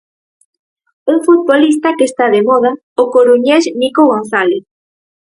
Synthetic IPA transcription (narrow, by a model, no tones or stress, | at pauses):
uŋfut̪̚βolist̪akest̪aðemɔð̞a | okoɾuɲɛsnikoɣonθalɪ